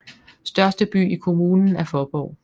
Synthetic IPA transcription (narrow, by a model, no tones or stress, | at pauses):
sd̥ɶɐsd̥əb̥y̰ːikʰo̝muːnn̩æɐfɒːb̥ɒʊ̰